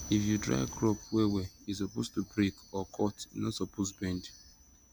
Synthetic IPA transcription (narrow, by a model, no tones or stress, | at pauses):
ifjudɾa̰ɪkɾɔpweweis̬ɔpostubɾikɔkʰɔtnɔsɔposbɛ̃nd